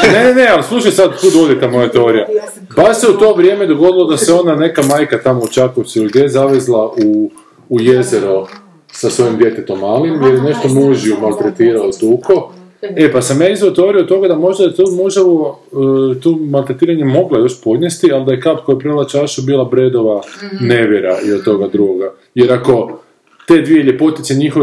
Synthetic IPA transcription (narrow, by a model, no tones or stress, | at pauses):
nenene̞alislˠuʃajsad̪kud̪od̪jet̪amo̞jat̪eoɾija | baʃse̞ut̪o̞ːʋɾʲjemed̪o̞ɡo̞d̪ilˠod̪aseo̞nane̞kamaːjkat̪amo̞ut͡ʃakosuiliɡd̪jejzaʋezlˠaʔuː | je̞zeɾo | sasʋo̞jimd̪je̞t̪et̪o̞malimjeɾjene̞ʃt̪omuʒiumalˠt̪ɾet̪iːɾaot̪uːko̞ | e̞pasamjaːizʋot̪ʋoɾiot̪o̞ɡad̪amo̞ʒd̪aet̪omuʒaʋo | t̪omalˠt̪ɾet̪iːɾaɲemo̞ɡlojo̞ʃpo̞d̪ɲʲest̪ialˠd̪ajekapkojpɾelˠat͡ʃaʃubilˠabɾed̪o̞ʋaneʋjeɾailat̪o̞ɡad̪ɾuɡoɡa | je̞ɾako̞ | t̪ed̪ʋijeʎʲepo̞t̪it̪seɲixo